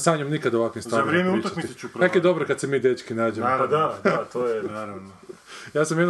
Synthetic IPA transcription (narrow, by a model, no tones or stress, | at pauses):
saɲomnikad̪oʋakʋimst̪aaɾjemut̪akmiit͡ʃupɾakoed̪obɾokad̪semiːd̪et͡ʃkinaːd͡ʑenad̪ad̪t̪oːjenaɾano | jaːsamjed̪n